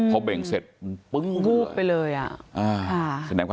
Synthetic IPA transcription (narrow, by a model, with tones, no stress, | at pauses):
kʰa˦˥wbe˨˩ŋse˨˩t̪̚pɯ˦˥ŋbuː˧˥˩p̚pa˧jlɤː˧jʔa̰˨˩ʔʔaː˧˩kʰa˧˥˩sa˧nɛː˨˦ŋkʰa˧